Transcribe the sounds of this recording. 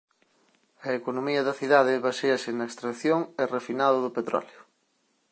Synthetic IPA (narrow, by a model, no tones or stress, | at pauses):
ɐekonomiɐðɐθiðaðɪβaseɐsenaekst̪ɾɐkθjoŋerefinaðoðʊpet̪ɾɔ̰ljo